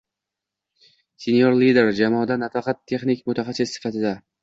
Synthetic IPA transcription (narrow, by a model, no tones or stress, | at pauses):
sʲenjoɾlid̪e̞ɾd͡ʒamɒd̪anat̪ɑqɑt̪ʰːe̞χnɪkʲmʊt̪ʰaχɑsːɪssɪ̥fat̪ʰɪd̪a